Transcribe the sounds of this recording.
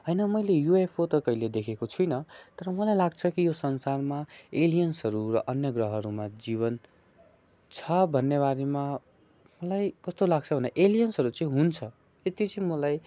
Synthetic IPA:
ɦʌjnʌmʌjlejuepʰot̪ʌkʌiled̪ekʰekot͡sʰujnʌt̪ʌɾʌmʌlajlaɡt͡sʰʌkijosʌnsarmaelijʌnsɦʌɾurʌ̰ʔʌnjʌɡrʌɦʌɾumad͡ziβʌn | t͡sʰʌbʱʌnːebaɾema | mʌlajkʌst̪olaɡ̚t͡sʰʌbʱʌneʔelijʌnsɦʌɾut͡sʌĩɦunt͡sʰʌ | et̪it͡sʌ̃ĩmʌlaj

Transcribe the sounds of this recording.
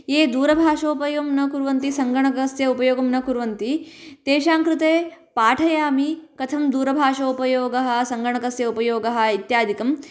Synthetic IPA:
jeːd̪uːɾɐbʱaːʂoːupɐjoːmnɐkuɾʋɐnt̪isɐŋɡɐɳɐkɐsjɐupɐjoːɡɐmnɐkuɾʋɐnt̪it̪eːʃaːŋkɾut̪eːpaːʈʰɐjaːmikɐt̪ʰɐmd̪uːɾɐbʱaːʂoːupɐjoːɡɐɦɐ̆sɐŋɡɐɳ̃ɐkɐsjɐupɐjoːɡɐɦɐ̆it̪jaːd̪ʱikɐm

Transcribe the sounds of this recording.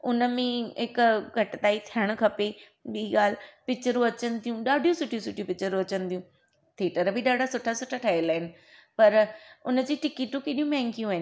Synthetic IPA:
ʊnəmẽɦɪkɡʱɐʈɪt̪aːit̪ʰiəɽ̃̆kʰɐpe | ɓiiɡaːl̤pɪkt͡ɕəɾũɐt͡ɕənɪ̆t̪ʰijũɗaːɖʱijũsʊʈʰijũsʊʈʰijũpɪkt͡ɕəɾũɐt͡ɕənɪt̪ʰijũ | t̪ʰeːʈəɾbʱiɗaːɖʱasʊʈʰasʊʈʰaʈʰaelaːɪnɪ̆ | pɐɾʊnəd͡ʑiːʈɪkiːʈũkeːɗijũmɛ̃ːŋkijũɦɪnɪ

